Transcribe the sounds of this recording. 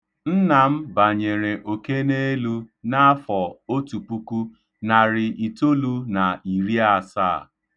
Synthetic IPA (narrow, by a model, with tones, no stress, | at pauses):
n̩˦na˨m̩˦ba˨ɲe˨ɾe˨ʔo˨ke˦ne˦lu˦na˦a˦fɔ˨o˦tu˨pu˦ku˦ | na˨ɾɪ˨ʔi˨to˦lu˦na˨i˨ɾi˦a˨saː˦˨